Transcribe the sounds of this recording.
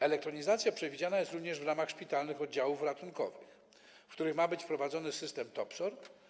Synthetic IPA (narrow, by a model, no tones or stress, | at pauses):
ɛlɛk̚t̪ɾɔɲizat̪sʲjapʂɛvʲid͡ʑanajɛst̪ɾuvɲɛʐvɾamaxʂpʲit̪alnɘxɔd̪̚d͡ʑawufɾat̪unkɔ̰vɘx | kt̪uɾɘxmabɘt͡ɕfpɾɔvad̪zɔnɘsɘst̪ɛmt̪ɔpsɔɾ